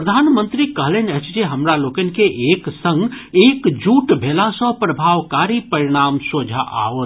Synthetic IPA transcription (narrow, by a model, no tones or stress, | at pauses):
ɾəd̪ʱaːnmə̃nt̪ɾikəɦlenət͡ʃd͡ʒeɦəmɾalokənkeʔeksə̃ŋɡekd͡ʒuʈbʱelasə̃pɾəbʱaʋkaɾipəɾiɽ̃aːmsod͡ʒʱaʔa̰ot̪